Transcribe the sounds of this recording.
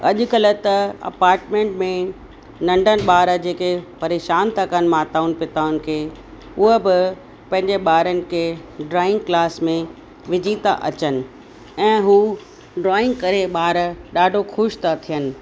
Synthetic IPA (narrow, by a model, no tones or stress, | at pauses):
ɐʄʊ̆kɐlə̆t̪ɐɐ̰paːɾʈmẽːɳʈmẽ | nɐ̃ɳɖʱənɪ̆ɓaːɾd͡ʑeːkepɐɾeːʃaːnt̪ɐkənmaːt̪aːʊnpɪt̪aːʊnɪ̆kʰeː | ʊɦəbɪ | pɐ̃ɦɪ̃ɲd͡ʑeɓaːɾənɪ̆kʰeɖɾaːɪ̃ŋɡklaːsmẽ | ʋɪd͡ʑiːt̪a̰ʔɐ̰t͡ɕənɪ̆ | ɛ̃ːɦuː | ɖɾaːɪ̃ŋɡ̚kɐɾeɓaːɾɗaːɖʱoxʊʃt̪at̪ʰijənɪ̆